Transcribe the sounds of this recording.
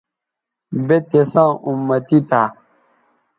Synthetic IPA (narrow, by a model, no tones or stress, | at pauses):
betesãumːatita